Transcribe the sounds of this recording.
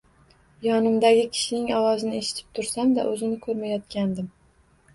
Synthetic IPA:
jɒnɪmd̪aɡʲɪkʲʰɪ̥ʃɪnɪŋɒwɒzɪnɪe̞ʃɪ̥t̪ʰɪ̥p̚t̪ʰʊɾsamd̪a̰ʔɵzɪnɪkʰɵɾmajɒt̪̚kʲand̪ɪm

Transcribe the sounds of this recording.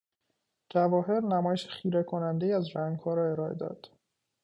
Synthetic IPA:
d͡ʒævɒːɦe̞ɾnæmɒːjeʃe̥χiːɾekʰo̞nænd̪ejiːæzɾæŋɡhɒːɾɒːe̞ɾɒːed̪ɒ̰ːd̪̥

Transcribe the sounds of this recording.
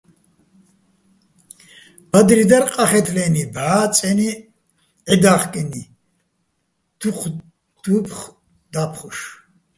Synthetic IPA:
b̥ad̪ɾid̪aɾqʼaχɛt̪ʰlɛnibʕaːt͡sʼɛni | ʕɛd̪aχkʼɛni | d̪̥uq | d̪̥upχ | d̪apʰχuʃ

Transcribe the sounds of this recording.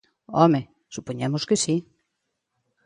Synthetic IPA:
ɔme | supoɲemoskesi

